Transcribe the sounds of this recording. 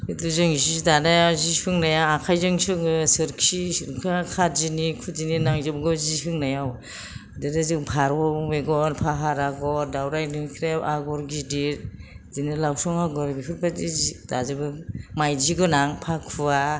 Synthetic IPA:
ituzɯŋzidanajawzisɯŋnajaakʰajzɯŋsɯŋɡɯsɯɾkʰisɾkʰakʰatzinikʰud͡ʒininaŋzɯbɡɔzihʰɯŋnajaw | dɯɾazɯŋpʰaɾɔmeɡɔɾpʰaɦaɾaɡɔɾdawɾajnɯkʰɾajawʔaɡɔɾɡidiɾ | zinilawsɔŋaɡɔɾɡiɦʰɯɾbʰazizid̥azɯbɯmajd͡ʒiɡɯnaŋpʰakʰua

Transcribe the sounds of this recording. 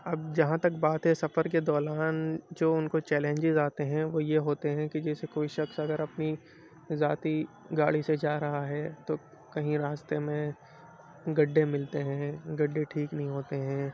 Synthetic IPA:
ɐb̚d͡ʒɐɦãt̪ɐkbaːt̪ɦɛsɐfəɾked̪ɔːɾaːnd͡ʒoːʊnkot͡ʃɛːlẽɲd͡ʒɪzaːt̪eɦɛ̃ʋojeɦoːt̪eɦɛ̃kid͡ʒɛːsekoːiʃɐksɐɡəɾɐpni | zaːt̪i | ɡaːɭised͡ʒaːɾɐɦaɦɛːt̪oː | kɐɦĩɾaːst̪emẽ | ɡɐɖːẽmɪlt̪eɦɛ̃ːɡɐɖːẽʈʰiːknɐɦĩɦoːt̪eɦɛ̃ː

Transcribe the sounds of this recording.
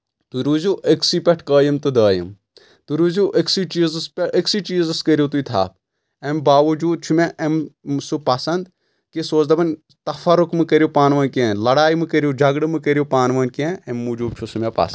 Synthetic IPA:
t̪uɾuːzuːʔeksipʲɐʈʰkəːjɐmt̪ɨd̪ɐːjḭm | t̪uɾuːzuːʔeksit͡ʃiːzɨspʲeeksit͡ʃiːzɨskɐɾʲjut̪uit̪ʰa̰ːb̚ | embaːʋɐd͡ʒuːd̪̚t͡ʃʰumeʔɐmsupɐsɐnd̪ | kisoːt͡ʃd̪ɐbɐnʲ | t̪ɐfɐɾukmɨkɐɾjupaːnʋɐːnkẽːlɐɽaːjimɨkɐɾjud͡ʒʱɐɡɽɨmɨkɐɾijupaːnʋɐːnkẽemːud͡ʒuːb̚t͡ʃʰusumʲepɐ̰sɐ

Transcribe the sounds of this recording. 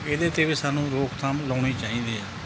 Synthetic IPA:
eːd̪eːt̪eːʋiːsaːnũːɾoːkt̪ʰaːmlɔːɳiːt͡ʃaːĩːd̪eːaː

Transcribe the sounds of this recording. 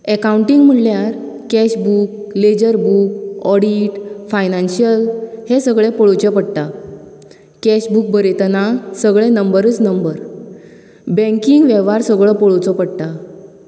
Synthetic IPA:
ekauɳʈiŋɡm̤əljaɾ | kɛɕbuk̚led͡ʑəɾbukɔɽiʈfajnãnɕijəlhesəɡɭẽpɔɭot͡ɕɔpəɽt̪a | kɛɕbuk̚bəɾet̪ənasəɡɭɛ̃nəmbəɾət͡snəmbəɾ | bə̃ŋkiŋɡʋeʋaɾsəɡɭɔpɔɭot͡sɔpəɽt̪a

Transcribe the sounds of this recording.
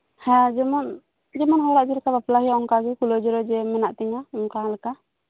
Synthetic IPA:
hãd͡ʒɛmɔn | d͡ʒɛmɔnɦɔɾaʔd͡ʒɛlɛkabaplaɦijaɔŋkaɡɛkulɔd͡ʒɔɾɔd͡ʒɛmɛnaʔt̪ɛɲaɔŋkalɛka

